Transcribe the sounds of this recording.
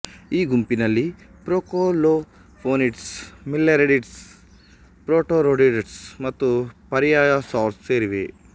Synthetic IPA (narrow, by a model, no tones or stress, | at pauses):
iːɡumpinɐlːi | pɾoːkoːloː | pʰoːniʈsmilːeɾeɖiʈs | pɾoːʈoːɾoːɖiɖeʈsmɐt̪ːupɐɾijaːjasaːɾsseːɾiʋḛ